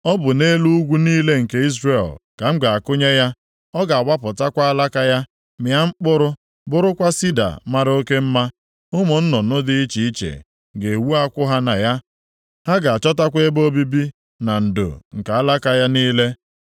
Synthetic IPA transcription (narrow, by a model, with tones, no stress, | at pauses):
ɔ˦bʊ˨ne˦lu˦u˦ɡʷu˦niː˦le˦ŋ̩˨ke˦i˦zre˨lka˨ŋ͡m̩˦ɡa˨a˨kʊ˦ɲe˦ja˦ | ɔ˦ɡa˨a˨wa˦pʊ˨ta˦kʷa˦a˦la˦ka˦ja˦ | mɪ˨a˦ŋ͡m̩˦k͡pʊ˦ɾʊ˦ | bʊ˦ɾʊ˦kʷa˦si˦da̰˨ma˦ɾo˦ke˦m̩˦ma˦ | ʊ˦mʊ˨n̩˦nɔ˨nʊ˦dɪ˦i˦t͡ʃi˨i˦t͡ʃḛ˨ | ɡe˨e˨wu˦a˦kʷʊ˦ɦa˦na˨ja˦ | ha˦ɡa˨a˨t͡ʃɔ˦ta˦kʷe˦bo˦bi˦bi˦ | na˨n̩˨do̰˨ŋ̩˨ka˨a˦la˦ka˦ja˦niː˦le˦